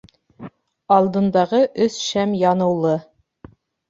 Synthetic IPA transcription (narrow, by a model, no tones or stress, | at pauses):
ɑlˠd̪ɤ̆nd̪ɑʁɤʔɵsʃæmjɑnɤ̆wlˠɤ